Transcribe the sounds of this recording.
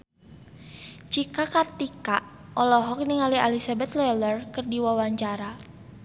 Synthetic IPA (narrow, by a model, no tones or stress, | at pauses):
t͡ʃikakart̪ika | ʔɔlɔɦɔk̚niŋalialisabɛt̪lɛlərkɨrdiwawaɲt͡ʃaɾa